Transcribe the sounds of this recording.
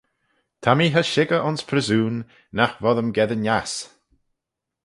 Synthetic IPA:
t̪ʰamiːɦəʃɪɡəʔʊnspʰɾəzuːnː | axvɔðəmɡɛðənjas

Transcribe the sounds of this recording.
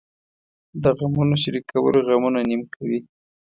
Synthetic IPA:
d̪əɣamunoʃaɾikawə̰loɣamunanimkʰawi

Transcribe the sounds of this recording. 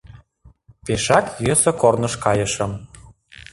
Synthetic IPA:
peʃɑkjøsɤ̆kornɤ̆ʃkɑjɤ̆ʃɤ̆m

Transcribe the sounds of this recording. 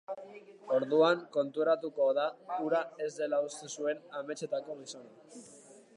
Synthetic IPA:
o̞ɾðuaŋko̞nt̪uɾat̪uko̞ðauɾae̞zd̪e̞laust̪esue̞name̞t͡ʃe̞t̪ako̞ɣiso̞na

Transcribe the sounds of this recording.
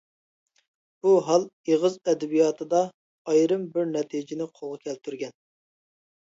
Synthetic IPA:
b̥uɦɑlˠeʁɨzɛd̪ɛbijɑːt̪ʰɨd̪ɑ | ɑjɾɨmbɪɾnɛt̪ʰid͡ʒɪnɪqʰolˠʁɑkʲʰɛlt̪ʰyɾɡʲɛn

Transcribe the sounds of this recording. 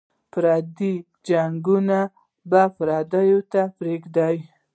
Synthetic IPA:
pɾɑd̪i | d͡ʒaŋɡuna | bafɾɑd̪ajot̪apɾekd̪ɑj

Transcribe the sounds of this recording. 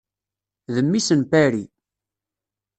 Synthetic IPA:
ðəmːisənpæɾi

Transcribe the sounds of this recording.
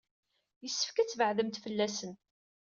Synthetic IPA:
jəsːə̥fkæt͡sːvəʕðəmt̪fəlːæsən

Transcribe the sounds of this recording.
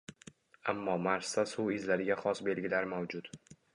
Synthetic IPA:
amːɒmaɾsasʊwɪzlaɾɪɡʲaχɒsbe̞lɡʲɪlaɾmawd͡ʒʊt̪

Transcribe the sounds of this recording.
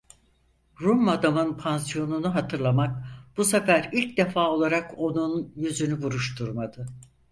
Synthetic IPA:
ɾumad̪amɯnpʰansijo̞nunuɦat̪ʰɯɾlˠamak̚b̥usefæɾilʲcd̪e̞faːo̞lˠaɾako̞nunjyzynybuɾuʃt̪ʰuɾmad̪ɯ

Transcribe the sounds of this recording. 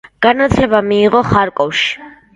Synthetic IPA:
ɡ̥anat͡s̪ʰʼɛbamiːʁɔχaɾkʼɔwʃ

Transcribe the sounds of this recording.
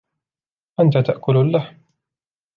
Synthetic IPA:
ʔant̪at̪aʔkʊlalːaħm

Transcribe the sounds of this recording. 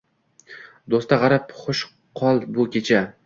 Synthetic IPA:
d̪ost̪aʁɑɾɪpχʊʃ | qʰɒlˠbʊkʲe̞t͡ʃʰa

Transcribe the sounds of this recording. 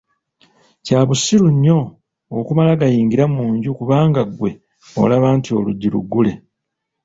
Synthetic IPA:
caːβusiɾuɲːo̞ː | kumalaɡajiːŋɡiɾamuːɲɟukuβaːŋɡaɡwe̞ | o̰laβaːntuo̞luɟːiɾṵɡːule̞

